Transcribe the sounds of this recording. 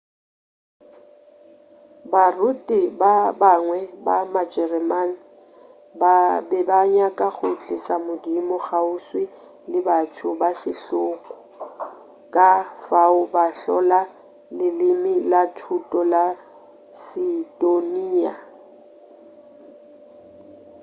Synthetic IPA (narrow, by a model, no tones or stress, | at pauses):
barʊtʼɪbabaŋwɛbamad͡ʒɛrɛman | babɛbaɲakʼaɣʊt͡ɬʰʼɪsamʊdimɔχaʊswɪ | lɪbatʰʊbasɪɬʊːkʼɔ̥ | kʼafaʊbaɬɔla | lɪlɪmɪlatʰutʼɔla | sidoniːa